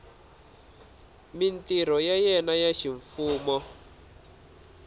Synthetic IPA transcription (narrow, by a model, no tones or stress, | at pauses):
mintiɾ̤ɔjajɛnajaʃiɱfuːmɔ